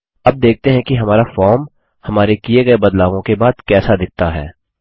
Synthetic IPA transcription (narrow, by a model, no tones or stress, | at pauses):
ɐb̚d̪eːk̚t̪eɦɛ̃kiɦɐmaːɾafɔːɾm | hɐmaːɾekieɡɐebɐd̪laːʋõkebaːd̪kɛːsad̪ɪk̚ʰt̪aɦɛ̰ː